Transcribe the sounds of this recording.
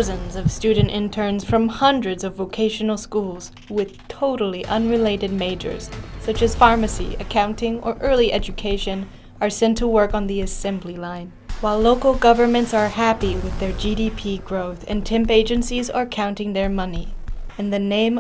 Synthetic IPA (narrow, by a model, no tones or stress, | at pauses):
zɨ̃nzʌv̥stʉdⁿn̩tɨ̃ntʰɜ̃˞nz̥fɹʌ̃mhʌ̃ndɹɨdzʌvoʊkʰeɪʃɨn̩l̩ˠskulˠz̥ | wɪð̥tʰoʊɾl̩ˠiʔʌ̃nɹɨleɪɾɨd̚meɪd͡ʒə̰˞z̥sʌt͡ʃɨz̥fɑɹmɨsḭɨkʰãʊ̃ntɪ̃ŋə˞ʔɜ˞lˠiʔɛd͡ʒɨkʰeɪʃɨ̃n | ə˞sɛ̃ntʰəwɜ˞kn̩ðiɨsɛ̃mblilãɪ̃n | waɪloʊkl̩ˠɡʌvə˞mɨ̃ntsə˞hæpiwɪðə˞d͡ʒiɾipʰiɡɹoʊθɨ̰̃ntʰɪ̃mpeɪd͡ʒɨ̃nsizə˞kʰãʊ̃ntɪ̃ŋðə˞mʌniɨ̃nðɨnẽɪ̃m